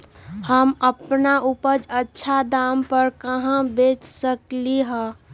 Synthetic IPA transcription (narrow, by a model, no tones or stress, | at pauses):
həməpnaupəd͡ʒətːʃʰad̪ampəɾkəɦãbet͡ʃsəkliɦə̃